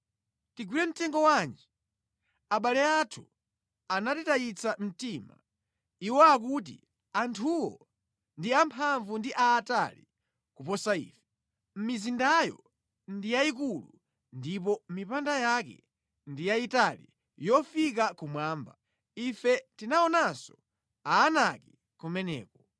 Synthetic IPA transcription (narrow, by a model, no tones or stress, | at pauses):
tiɡwilɛm̩tɛŋɡɔwaːnd͡ʒi | aɓalɛatʰu̥ | anatitajit͡sam̩tima̰ | iwɔak̬ut̬ḭ | antʰuwɔ̰ | ndiampʰaɱvundiʔaːta̰li | kupɔsaḭːfɛ̥ | m̩mizindajɔ̰ | ndijaik̬ulu | ndipɔmipandajakɛ̰ | ndijaitalḭ | jɔfikakumwaːmba | ifɛtinaɔnasɔ | aːnaki | kumɛnɛ̰ːkɔ